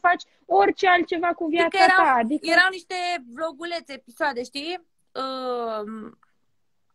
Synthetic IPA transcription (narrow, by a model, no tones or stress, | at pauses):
fat͡ʃʲ | o̞rʲt͡ʃealt̪̚t͡ʃe̞vakuvjat̪saaaːd̪ikəeɾawniʃt̪ebloɡulet̪seepisoad̪e̞ʃt̪i | ə